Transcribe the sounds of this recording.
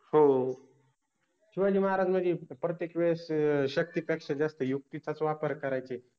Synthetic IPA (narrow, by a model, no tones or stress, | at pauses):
ho | t͡ʃʰiʋad͡ʑiːməɦaɾad͡ʒməd͡ʑipɾət̪jekʋesɕək̚t̪ipəkʂəd͡zast̪əjuk̚t̪it͡sat͡soʋapəɾkəɾajt͡ʃe